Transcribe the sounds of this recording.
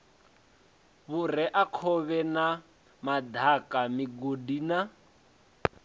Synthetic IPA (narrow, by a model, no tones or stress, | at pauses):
βurɛʔakʰɔβɛna | madʱakamiɡodina